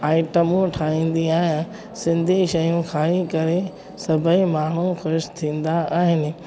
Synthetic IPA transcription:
aːɪʈəmũʈʰaːĩːn̆d̪iaːɦɪnɪ | sɪ̃nd̪ʱiʃɐjũxʰaːikɐɾe | sɐbʱəimaːɳ̤ũxʊɾʃt̪ʰĩːnd̪aaːɦɪnɪ̆

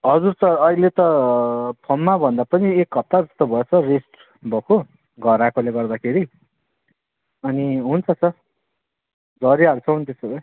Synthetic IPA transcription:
ɦʌd͡zurt͡sʌʌɦilet̪ʌ | pʰʌmːabʱʌnd̪apʌniekːʌp̚t̪ad͡zʌst̪ʌbʱʌjet͡sʰʌresʈ | bʱʌkʰo | ɡʱʌɾakoleɡʌrd̪akʰeɾi | ʌniɦunt͡sʰʌt͡sʰʌ | d͡zʱʌɾiɦaɾut͡sʰʌɦunt̪esʌbʌj

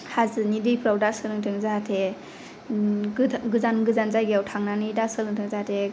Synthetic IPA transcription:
hazɯnidɯjpʰɾɔdak̚sɯlɯŋtʰɯŋzatʰe | ɡɯzanɡɯzanzajɡeawtʰaŋnanɯdasɯlɯŋtʰɯŋzatʰe

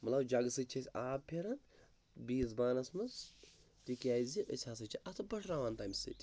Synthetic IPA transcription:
mɐt̪lɐbd͡ʒɐɡsɨt͡ʃʰɐsʲaːbpʰʲeɾɐn | biːsbaːnɐsmɐs | tikʲaːzʲiʔə̰sʰʲaːs̬ɨt͡ʃʰiʔɐt̪ʰɨbɐʂɾaːʋaːnt̪aːjmʲsɨ̰tʲʰ

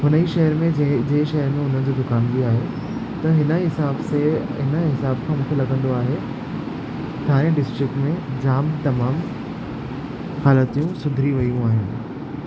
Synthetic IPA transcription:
ɦʊnəiʃɐɦəɾmẽd͡ʑeːʃɐɦəɾmẽʊn̤ənɪ̆d͡ʑoːd̪ʊkaːnbiaːɦe | t̪ɐɦɪnəɦɪsaːbseɦɪnəɦɪsaːbkʰãmũːkʰelɐɡə̃nd̪oaːɦe | t̪ʰaːɾ̃ẽɖɪsʈɾɪk̚ʈmẽd͡ʑaːmt̪ɐmaːm | xaːlət̪ijũsʊd̪ʱɾiʋɐjũaːɦɪnɪ

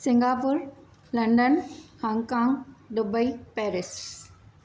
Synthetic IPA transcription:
sɪ̃ŋɡaːpʊɾ | lɐ̃ɳɖənhãːŋɡkãːŋɡɖʊbəipɛːɾɪs

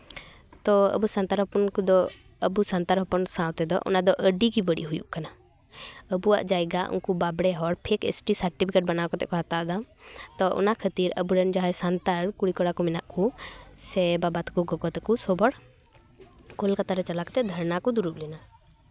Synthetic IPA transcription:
t̪ɔə̰busant̪aɾɦɔpɔnkd̪ɔ | əbusant̪aɾɦɔpɔnsãwt̪ɛd̪ɔ̰ʔɔ̰nad̪ɔʔəɖikibəɽḭʔɦujṵʔkana | əbua̰ʔd͡ʒajɡaʔṵnkubabɽɛɦɔɽpʰɛkḛsʈisəɾʈipʰikeʈ̚banakɔt̪ɛ̰kɔɦat̪aʔd̪ɔt̪ɔʔɔ̰nakʰət̪iɾə̰buɾɛnd͡ʒaɦɛsant̪aɾkuɽikɔɽakɔmɛnaʔkusɛbabat̪kɔɡɔɡɔt̪ɛkusɔbɔɽ | kolkat̪aɾɛt͡ʃalakɔ̥t̪ɛd̪ʱəɾnakɔd̪uɾuʔlɛna

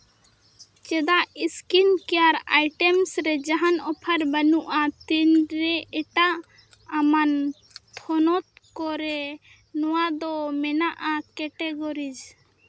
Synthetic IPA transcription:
t͡ʃɛd̪aʔiskinkɛjaɾa̰jʈɛmsɾɛd͡ʒaɦanɔpʰaɾbənuʔat̪inɾɛʔɛʈaʔ | aman | t̪ʰɔnɔt̪̚kɔɾɛ | nɔwad̪ɔmɛnaʔakɛʈɛɡɔɾid͡ʒ

